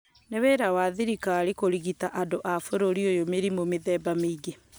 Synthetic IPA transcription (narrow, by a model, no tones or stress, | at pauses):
neweɾawaðiɾikaːɾikoɾiɣitaʔadoʔafoɾoɾiojomeɾimomeðɛːbameiɡe